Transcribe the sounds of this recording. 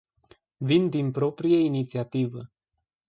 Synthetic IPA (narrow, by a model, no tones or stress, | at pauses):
vind̪inpɾo̞pɾijeinit̪siat̪ivə